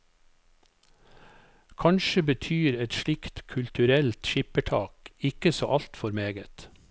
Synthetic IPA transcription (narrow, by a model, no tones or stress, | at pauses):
kʰɑnʃəbət̪ʰyːɾɛt̪ʃɭɪkt̪kʰʉlt̪ʉɾɛlt̪ʃɪpəʈʰɑːkɪkəsoːʔɑlt̪fɔɾmeːɡət̪